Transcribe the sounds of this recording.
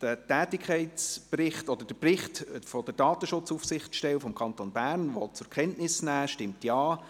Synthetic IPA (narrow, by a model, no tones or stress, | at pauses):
d̥ətɛːtɪkʰχɛɪtt͡sprɪχtɔd̥̪əd̥əprɪχtfɔd̥əɾd̥ɑːt̪əʃʊt͡suːfsɪχtʃtɛwfɔmkʰɑntonbæɾnʋɔtt͡sʊɾkʰχɛntnɪsnæːʃtɪmtjɑː